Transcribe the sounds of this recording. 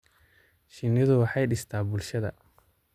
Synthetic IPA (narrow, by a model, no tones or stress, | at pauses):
ʃɪnɪðʊwɑħɑjɖɪst̪ʰaːbʊlʃɐðɐ̰